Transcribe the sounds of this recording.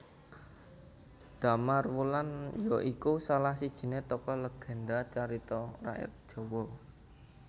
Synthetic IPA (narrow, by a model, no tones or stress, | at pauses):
d̪̥a̤marwulanjɔʔikusalahsid̥ʒ̥i̤net̪ɔkɔləɡ̥ɛ̤ndat͡ʃaɾit̪ɔra̰ʔɪ̰r̚d̥ʒ̥ɔ̤wɔ